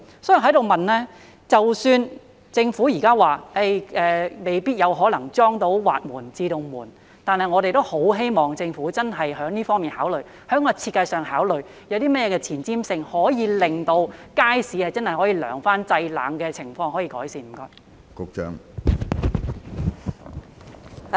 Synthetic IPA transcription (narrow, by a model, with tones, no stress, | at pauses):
sɔː˥jɦɐ˨˥jɾo˨wmɐ˨nlɛː˥ | t͡sɐ˨wsyː˧n | t͡sɪ˧ŋfuː˨˥jiː˨˩kaː˥waː˨˩ʔe˥jʔɛː˨me˨˧jpiː˥t̚jɐ˨˧wɦɔː˨˥lɐ˨˩ŋt͡sɔː˥ŋt̪o˨˥wwa̰ː˨t̚muː˨˩nt͡siː˧t̪o˧ŋmuː˨˩n | t̪aː˨nhɐ˨jŋɔː˨˧ɾe˨jt̪o˥who˨˥wɦe˥jmɔː˨ŋt͡sɪ˧ŋfuː˨˥t͡sɐ˥nɦɐ˨jɦœː˨˥ŋniː˥fɔː˥ŋmiː˨nhaː˨˥wlɵ˨˩ɥ | hœ˨˥ŋɔː˧t͡sʰiː˧t̚kːɐ˧jsœː˨ŋɦaː˨˥wlɵ˨˩ɥ | jɐ˨˧wt̪iː˥mɐ˥t̚jɛː˨˧kɛː˧t͡sʰiː˨˩nt͡siː˥msɪ˧ŋhɔː˨˥jiː˨˧lɪ˨ŋt̪o˧wkaː˥jsiː˨˧hɐ˨jt͡sɐ˥nhɐ˨jɦɔː˨˥jiː˨˧lœ̰ː˨˩ŋfaː˥nt͡sɐ˧jla̰ː˨˥ŋkɛː˧t͡sʰɪ˨˩ŋfɔː˧ŋhɔ˨˥jiː˧kɔː˨˥jsiː˨nm̩˨˩kɔː˧j | kʊ˧k̚t͡ʃœ̰ː˥ŋ